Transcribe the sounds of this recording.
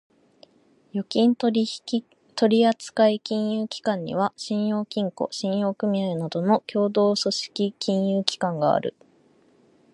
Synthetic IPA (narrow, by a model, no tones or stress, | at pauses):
jo̞kʲĩn | t̪o̞ɾʲiat͡sɨ̥kaikʲĩɰ̃jɯːkʲi̥kãɲ̟ːḭβ̞aɕĩɰ̃jo̞ːkʲĩŋko̰ɕĩɰ̃jo̞ːkɯ̟mʲiaenad̪o̞no̞kʲo̞ːd̪o̞ːso̞ɕi̥kʲikʲʰĩɰ̃jɯːkʲi̥kãŋɡa̰a̰ɾɯ̟̰